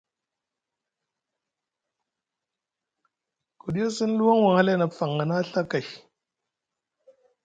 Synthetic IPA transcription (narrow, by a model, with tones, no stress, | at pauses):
ku˨ɗi˦a˦si˦n˦lu˦wa˦ŋwa˨ŋha˦la˦na˨˦fa˨ŋa˨na˦ɬa˦ka˨j